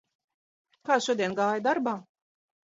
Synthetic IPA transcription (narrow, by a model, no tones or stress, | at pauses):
kaːʃuɔd̪ʲiɛnɡaːjd̪aɾbaː